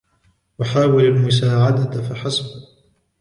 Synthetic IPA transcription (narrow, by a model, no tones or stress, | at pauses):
waħaːwɪlalmʊs̬aːʕad̪afaħasˤb